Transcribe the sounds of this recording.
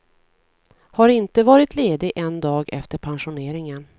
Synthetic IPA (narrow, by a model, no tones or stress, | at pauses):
haɾɪnt̪əvɑːɾɪt̪ʰleːd̪ɪʔɛnd̪ɑːɡɛ̰ft̪əɾpʰanɧʊneːɾɪŋən